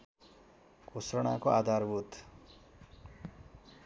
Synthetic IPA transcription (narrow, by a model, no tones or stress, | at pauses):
kosroɽ̃a̰koad̪ʱarbut̪